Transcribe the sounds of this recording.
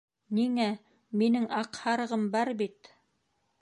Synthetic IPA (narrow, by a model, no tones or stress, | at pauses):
niŋæ | minɘŋɑqhɑɾɤ̆ʁɤmbɑɾbit̪